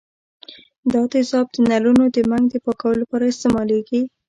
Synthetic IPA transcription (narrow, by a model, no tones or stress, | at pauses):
d̪ɑd̪ɪsɑb̚d̪ənalunod̪əmaŋɡd̪əpɑkawəlapɑɾaɪst̪emɑleɡi